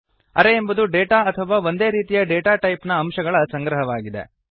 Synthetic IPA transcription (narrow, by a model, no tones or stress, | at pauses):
ɐ̰ɾeːmbud̪uɖeːʈaːɐt̪ʰɐʋaːʋo̞nd̪e̞ːɾiːt̪ijɐɖeːʈaːʈɐjpnɐːmʃɐɡɐɭɐsɐŋɡɾɐɦɐʋaːɡid̪e̞̰